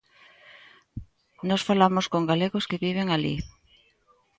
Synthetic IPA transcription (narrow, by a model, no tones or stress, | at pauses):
nɔsfalamoskoŋɡaleɣʊskɪβiβ̞eŋalḭ